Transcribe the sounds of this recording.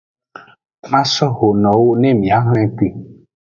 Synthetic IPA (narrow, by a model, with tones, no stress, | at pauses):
mã˦sɔ˦ho˨nɔ̃˨wo˦nɛ̃˦mĩ˨a˨˦ɦɛ̃˦ki˦˨